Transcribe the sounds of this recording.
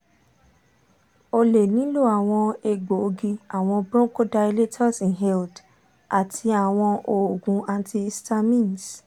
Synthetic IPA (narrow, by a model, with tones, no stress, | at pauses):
o˧le˨nĩ˨˦lo˦˨a˨w̃ɔ̃˧e˧ɡ͡bo˨o˧ɡi˧a˨w̃ɔ̃˧bɾɔ̃˦ko˦da˧i˧le˦tʰɔ˦˨sĩ˨ɦɛ˦˧ld | a˨tʰi˧a˨w̃ɔ̃˧ʔo˨o˨ɡũ˨˦a˧n˦tʰi˧sta˧mĩ˦ns